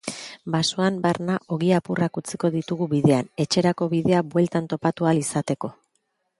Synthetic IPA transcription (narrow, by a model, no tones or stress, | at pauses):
basuambaɾnaʔo̞ɣiapurakut͡si̥ko̞ðit̪uɣuβiðe̞ane̞t͡ʃe̞ɾako̞βiðe̞abwe̞lt̪ant̪o̞pat̪ualisat̪e̞ko̞